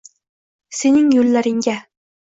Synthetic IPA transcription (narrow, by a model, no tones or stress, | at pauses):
senɪŋjɵlːaɾɪŋɡʲa